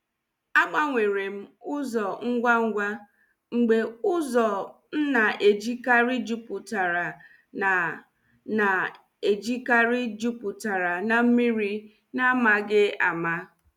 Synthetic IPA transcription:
a˦k͡pa˦ŋʷe˨ɾe˨m̩˦ʊ˦zɔ˨ŋ̩˦ɡʷa˦ŋ̩˦ɡʷa˦ | ŋ͡m̩˨ɡ͡be˨ʊ˦zɔ˨ | n̩˦na˨ʔe˨d͡ʒi˦ka˦ɾi˦d͡ʒu˦pʊ˨ta˨ɾa˨ | na˨ | na˨ | e˨d͡ʒi˦ka˦ɾɪ˦d͡ʒu˦pʊ˨ta˨ɾa˨na˨m̩˦mi˦ɾi˦ | na˦ma˨ɡɪ˦a̰˨ma˦

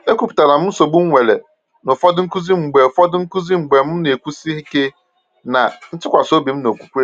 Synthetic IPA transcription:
e˦kʷu˦pu̥˨ta˨nã˨mʊ̃˦so˨bũ˦ŋʷ˦ɛ˨lɛ˨ | nʊ˨fɔ˦dɪ˦ŋ̩˦kʊ˦zi˦m̩˨ɡ͡bɛ˨fɔ˦dɪ˦ŋ̩˦kʊ˦zi˦ŋ͡m̩˨ɡ͡bɛ˨mʊ̃˦nɪ̃˨e˨kʷu˦si˦hi˦ke˦ | nã˨n̩˦tʰɪ˦kʷa˨so˦bi˨˦m̩˦nõ˨kʷu̥˦kʷu˦ɾe˦

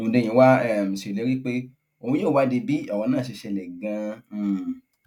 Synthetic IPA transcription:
õ˨˧˨dẽ˧j̃ĩ˧˦wa˦ɛ˦˨m̩̃˨se˨le˨˦ɾi˦k͡pe˦ | o˨ũ˧˦joː˦˨wa˦di˧bi˨˦ɔ˦˨wɔ̃˧nãː˦˨e˧ʃɛ˧lɛ˨ɡã˧˨

